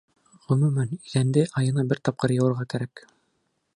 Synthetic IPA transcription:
ʁɵ̆mʉmænizænd̪ɘʔɑjɤ̆nɑbɘɾt̪ɑp̚qɤɾjɤ̆wɤ̆ɾʁɑkæɾæk

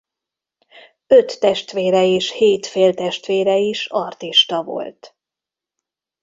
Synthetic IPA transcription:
øt̪ːɛʃt̪ʋeːɾɛeːʃheːt̪feːlt̪ɛʃt̪ʋeːɾɛiʃɒrt̪iʃt̪ɒvo̰lt̪

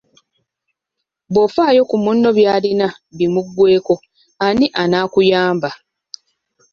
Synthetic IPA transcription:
bo̞faːjo̞kumunːo̞βjaːlina | βimuɡːwe̞ːko̞ | aniʔanaːkujaːmba

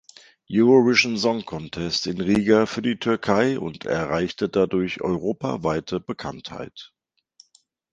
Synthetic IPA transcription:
juʁovɪʃnzɔŋkʰɔntʰɛstɪnʁiːɡafyːɐdiːtʰʏɐkʰaɪʊ̰ntʰɛ̰ɐʁaɪçtədadʊɐçʔɔ̰ʏʁoːpa̰vaɪtʰəbəkʰa̰ntha̰ɪt

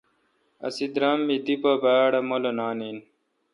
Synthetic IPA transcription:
ɐ̰sid̪ɾamːid̪ipɐbaːɽɐmolonaːnin

